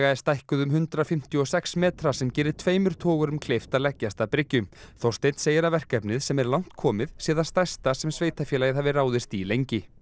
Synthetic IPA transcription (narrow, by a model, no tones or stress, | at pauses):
ɣaɛɾ̥st̪ajhkʏðʏmɦʏnt̪ɾafɪm̥t̪jʏɔsɛksmɛːt̪ɾasɛmcɛːɾɪt̪ʰv̥eːjmʏɾ̥t̪ʰɔːɣʏɾʏmkʰlejft̪alɛcːast̪apɾɪcːʏmθowst̪ejn̥seːjɪɾavɛr̥kɛpnɪðsɛmɛɾlawn̥t̪kʰɔːmɪðsɛːðast̪ajst̪asɛmsveːjt̪afjɛlajɪðhavɪraːwðɪst̪ilejɲcɪ